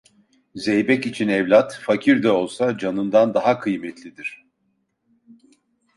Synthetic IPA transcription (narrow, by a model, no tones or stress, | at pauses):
zɛjbɛcit͡ʃʰinɛvlʲat̪facʰiɾd̪ɛo̞lˠsad͡ʒanɯnd̪and̪aɦakʰɯjmɛt̪ʰlʲid̪iɾ̥